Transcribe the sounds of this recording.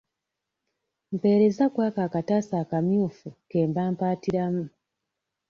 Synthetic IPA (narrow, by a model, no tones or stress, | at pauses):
m̩pe̞ːɾe̞zakwaːkaːkatasaːkamjuːfuke̞ːmbaːmpaːtiɾamu